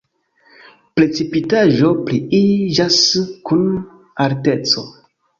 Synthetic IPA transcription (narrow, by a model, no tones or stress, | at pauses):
pɾet͡sipitaʒo̞pɾiiʒaskun | aɾtet͡so̞